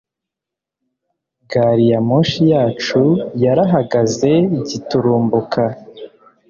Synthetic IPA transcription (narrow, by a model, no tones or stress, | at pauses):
ɡaɾijamoʃijaːt͡ʃujaɾaɦaɡaze̞iɟituɾuːmbukʰa